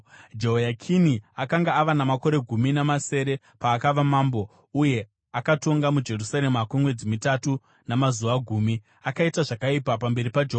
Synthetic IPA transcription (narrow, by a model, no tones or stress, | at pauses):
d͡ʒoɦojakʰiniakaŋɡaːʋanamako̞ɾe̞ɡʱuminamase̞ːɾe̞ | paːkaʋamaːmbo | uje̞ | akato̞ŋɡamud͡ʒe̞rusaɾe̞makumwe̞d͡zimitatu | namazuʋaɡʱuːmi | akaitaʐakaipapambe̞ɾipad͡ʒeɦo